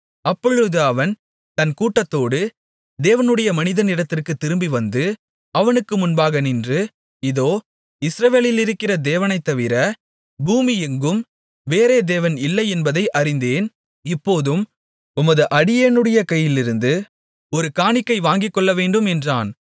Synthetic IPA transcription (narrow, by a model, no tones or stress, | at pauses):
ɐpːɔɻɯðɯɐʋɐn | t̪ɐnkuːʈːɐt̪ːoːɽɯ | d̪eːʋɐnɯɽɐjɐmɐnɪðɐnɪɽɐt̪ːɪrkɯt̪ːɪɾɯmbiʋɐnd̪ɯ | ɐʋɐnɯkːɯmʊnbaːɣɐnɪndrɯ | ɪðoː | ɪsɾɐʋeːlɪlɪɾɯkːɪrɐd̪eːʋɐnɐɪt̪ːɐʋɪɾɐ | buːmɪɛŋɡɯm | ʋeːɾeːd̪eːʋɐnɪlːɐɪɛnbɐðɐɪʔɐɾɪnd̪eːn | ɪpːoːðɯm | ʊmɐðɯʔɐɽɪjeːnɯɽɐjɐkɐjːɪlɪɾɯnd̪ɯ | ɔɾɯkaːnɪkːɐɪʋaːŋɡɪkːɔɭːɐʋeːɳɖɯmɛndraːn